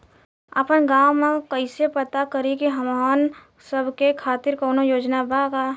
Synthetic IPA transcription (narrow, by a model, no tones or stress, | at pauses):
əpənɡaːwmẽkəɪsepət̪akəɾikiɦəman | səbʱkekʰaːt̪ɪɾkɔːnojoːd͡ʒnabaɡaː